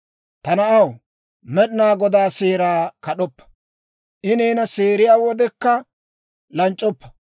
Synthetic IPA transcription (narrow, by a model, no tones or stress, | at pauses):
t̪ɐnɐɐw | mɛɗɪnaːɡɔd̪aːseːɾaːkɐɗɔpːɐ̥ | ʔɪneːnɐseːɾɪjaːwɔd̪ɛkːɐ | lɐnt͡ʃʼːɔpːɐ̥